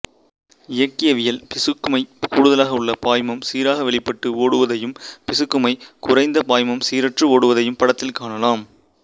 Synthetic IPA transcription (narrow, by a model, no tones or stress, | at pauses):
ɪjɐkːɪjɐʋɪjɐlpɪsɯkːɯmɐɪkuːɽʊðɐlaːɣɐʊɭːɐpaːjmɐmsiːɾaːɣɐʋɛɭɪpːɐʈːɯoːɽɯʋɐðɐjɯmpɪsɯkːɯmɐɪkʊrɐɪnd̪ɐpaːjmɐmsiːɾɐʈrɯoːɽɯʋɐðɐjɯmpɐɽɐt̪ːɪlkaːɳɐlaːm